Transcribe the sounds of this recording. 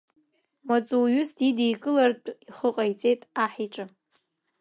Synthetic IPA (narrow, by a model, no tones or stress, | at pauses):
mat͡sʼuɥʊsdidijkʼɨlart͡pʼiχəqʼajt͡sʼe̞jtʼaħiʈ͡ʂʼɨ